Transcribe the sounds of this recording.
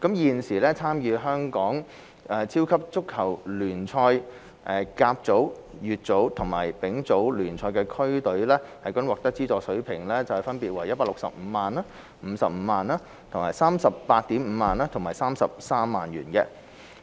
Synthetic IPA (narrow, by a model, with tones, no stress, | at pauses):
kɐ˨˥mjiː˨˧nsiː˨˩lɛː˥t͡sʰaː˥mjyː˨˧ɦœː˥ŋkɔː˨˥ŋ | ʔɛː˧t͡sʰiː˥wkʰɐ˥p̚t͡sʊ˥kʰːɐ˨˩wlyː˨˩nt͡sʰɔː˧j | ʔɛː˧kaː˧p̚t͡so˨˥w | jyː˨t̚t͡so˨˥wt̪ʰʊ˨˩ŋma̰ː˨˩jpɪ˨˥ŋt͡so˨˥wlyː˨˩nt͡sʰɔː˧jkɛː˧kʰɵ˥ɥt̪ɵ˨˥ɥlɛː˥hɐ˨jkɔ˨˥nwɔː˨kt̪ɐ˥k̚t͡siː˥t͡sɔː˧sɵ˨˥ɥpʰɪ˨˩ŋlɛ˥t͡sɐ˨˩whɛ˨˩fɐ˥npiː˨t̚wɐ˨˩jɐ˥t̚paː˧˥lʊ˨k̚sɐ̰˨p̚m̩ː˨˧˦maː˨na˥ | m̩˨˧˥sɐ̰˨p̚m̩˨˧˥maː˨naː˥ | t̪ʰŋmaː˨˩jsaː˥msɐ˨pːaː˧t̚t̪iː˨˥mm̩ː˨˧˥maː˨naː˥t̪ʰʊ˨˩maː˨˩jsaː˥msɐ˨p̚saː˥mːaː˨njyː˨˩nkɛ̰˧